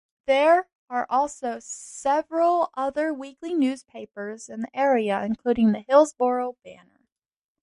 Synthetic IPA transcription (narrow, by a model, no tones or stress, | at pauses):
ðə˞ | ə˞ʔɔlˠsoʊsɛvɹəl̩ˠʔʌðə˞wiklinʉz̥pʰeɪpə˞zɨ̃nðiʔɛɹiɨʔɨ̃nkʰl̥ʉɾɪ̃ŋðɨhɪlˠzbɔɹoʊbænə̰˞